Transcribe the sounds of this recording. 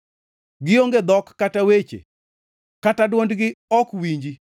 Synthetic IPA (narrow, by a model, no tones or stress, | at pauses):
ɡɪoŋɡed̪ɔkːatawet͡ʃḛ | katadwondɡɪɔkwiɲd͡ʒi